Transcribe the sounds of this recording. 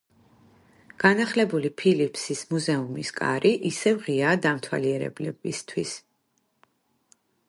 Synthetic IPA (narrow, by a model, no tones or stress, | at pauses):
ɡ̥anaχlɛbulipʰilipʰsismuzɛumiskʼa̰ɾʔiʔisɛvʁiaːd̪amt̪ʰwa̰liɛɾɛ̰blɛbist̪ʰwis